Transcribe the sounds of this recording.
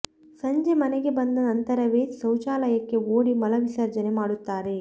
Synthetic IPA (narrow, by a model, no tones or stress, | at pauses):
sɐɲd͡ʒemɐneɡe̞bɐnd̪ɐnɐnt̪ɐɾɐʋeːsɐwt͡ʃaːlɐjɐkːe̞oːɽimɐlɐʋisɐɾd͡ʒɐnemaːɽut̪ːaːɾe̞